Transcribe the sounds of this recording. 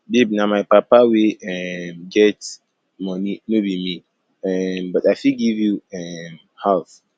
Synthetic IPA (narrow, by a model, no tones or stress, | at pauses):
bibnamaɪpapawiɛmɡɛt | mɔninobimi | ɛmbɔtaɪfiɡivjuɛm | hɛlθ